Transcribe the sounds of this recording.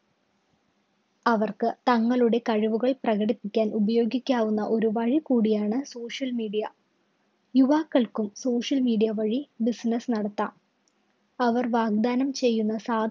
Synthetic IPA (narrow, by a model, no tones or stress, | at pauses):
ɐʋɐrkɨt̪ɐŋːɐɭuɽe̞kɐɻiʋuɣɐɭprɐɣɐɽipːikʲːaːnubɐjo̞ːɡikʲːaːʋunːɐʔo̞ɾuʋɐɻikuːɽijaːɳɨso̞ːʂjɐlmiːɽijɐ | juʋaːkːɐɭkumso̞ːʂjɐlmiːɖijɐʋɐɻibisnɐsnɐɽɐt̪ːaːm | ɐʋɐrʋaːɡ̚d̪aːnɐmt͡ɕe̞jːunːɐsaːd̪